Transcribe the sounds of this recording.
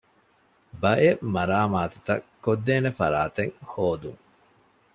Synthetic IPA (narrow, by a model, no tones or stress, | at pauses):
bɐʔemɐɾaːmaːt̪ut̪ɐ̰kːod̪ːeːnefɐ̰ɾaːt̪eŋhoːd̪uŋ